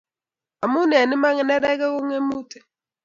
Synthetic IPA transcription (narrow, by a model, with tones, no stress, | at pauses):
a˨mu˦nɛ˨ni˦ma˦ŋɛ˨nɛ˦ɾɛ˦kɛ˦ko˦ŋe˦mu˦tɛ̥˨